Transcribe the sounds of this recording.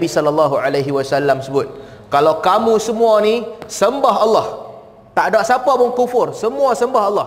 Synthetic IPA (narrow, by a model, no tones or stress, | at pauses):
bisɔlalːaɦualajɦiwasalːamsəbʊt̪̚ | kalawkamũsəmũanisəmbaɦalːɔh | t̪aʔdaʔsapapʊnkufʊrsəmũasəmbaɦɑlːɔh